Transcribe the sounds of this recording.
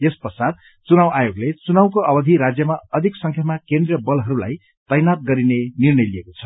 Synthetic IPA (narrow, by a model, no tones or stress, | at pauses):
jespʌsad̪̚ | t͡sunawajoɡlet͡sunaw̃koʔʌbʌd̪ʱiɾad͡zjʌmaʌd̪ʱiksʌŋkʰjamakend̪rijʌbʌlɦʌɾula̰j | t̪ʌjnat̪̚ɡʌɾinenirnʌjliekot͡sʰʌ̥